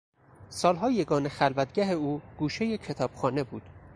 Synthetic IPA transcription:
sɒːlɦɒːje̞ɡɒːnexælvæt̪̚ɡʲæɦe̞uːɡ̥uːʃejecʰe̞t̪ʰɒːb̥xɒːne̞buːd̪̥

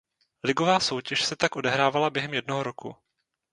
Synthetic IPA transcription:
lɪɡo̞vaːso̞wcɛʃsɛt̪akʔo̞dɛɦɾaːvalabjɛɦɛmjɛd̚noɦoɾokṵ

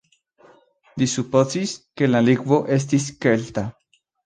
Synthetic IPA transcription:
d̪isupot͡siskelalikwoʔes̬t̪iskelt̪a

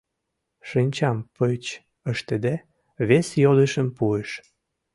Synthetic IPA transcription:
ʃinʲt͡ɕɑmpət͡ɕ | əʃt̪ed̪e | βesjod̪eʃəmpueʃ

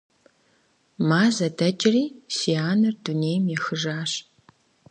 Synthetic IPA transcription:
maːzɐdɐt͡ʃʼɪriːsiaːnɨrdunejmjɛxɨʒaːɕ

